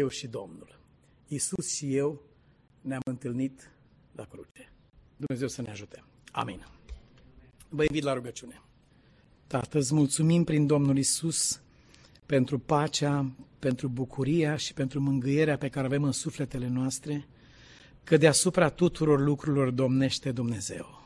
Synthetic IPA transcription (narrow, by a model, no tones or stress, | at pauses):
jewʃid̪o̞̰mnul | isusʃije̞w | neamɨnt̪ɨlnit̪ | lakɾṵt͡ʃe | d̪umne̞ze̞wsəneaʒut̪e | a̰mḭn | vəinvit̪laɾuɡət͡ʃune̞ | t̪a̰t̪əsmult̪sumimpɾind̪o̞mnulisus | pe̞nt̪ɾupat͡ʃeape̞nt̪ɾubukʰuɾijaʃi̥pe̞nt̪ɾumɨŋɡɨje̞ɾeape̞kaɾeave̞mɨnsufle̞t̪e̞le̞noast̪ɾe̞ | kəd̪easupɾat̪ut̪uɾo̞rlukɾuilo̞rd̪o̞mne̞ʃt̪e̞d̪umne̞ze̞̰w